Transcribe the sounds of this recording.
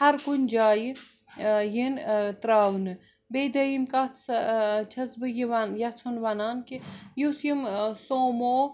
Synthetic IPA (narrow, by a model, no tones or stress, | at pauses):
hɐɾkunʲd͡ʒaːji | jint̪ɾaːwnɨ | bejd̪ɐjimkat͡st͡ʃʰɐzbɨjiʋɐnjɐt͡sʰonʋɐnaːnkijusjimsoːmoː